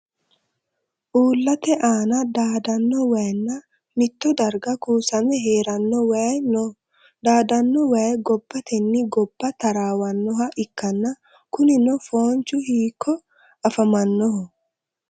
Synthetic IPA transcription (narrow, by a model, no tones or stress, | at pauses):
ʔuːlːɐt̪ɛʔaːnɐd̪aːd̪ɐnːɔwɐjnːɐ | mɪt̪ːɔd̪ɐɾɡɐkuːsɐmɛɦeːɾɐnːɔwn | d̪aːd̪ɐnːɔwɐjɛɡɔbːɐt̪ɛnːɪɡɔbːɐt̪ɐɾaːwɐnːɔɦɐʔɪkːɐnːɐ | kʊnɪnɔfoːnt͡ʃʊhiːkʰːɔ | ɐfɐmɐnːɔɦɔ